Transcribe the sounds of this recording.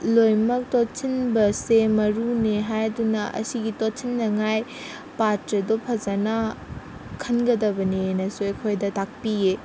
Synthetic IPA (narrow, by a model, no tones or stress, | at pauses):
lojmɐk̚totʰinbɐsemɐɾuneɦajdunɐʔɐ̰siɡitotʰinːɐŋaj | patɾɐdopʰɐzanɐ | kʰɐnɡɐdɐbɐnenɐsuekʰojdɐtak̚pije